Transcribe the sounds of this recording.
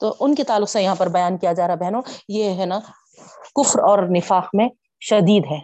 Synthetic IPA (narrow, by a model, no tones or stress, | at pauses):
t̪oːʔʊnket̪aːlːʊqsejɐɦãpɐɾbɐjaːnkijad͡ʒaːɾaɦbɛɦnõjeɦɛna | kʊfɾɔːɾnɪfaːxmẽ | ʃɐd̪iːd̪ɦɛː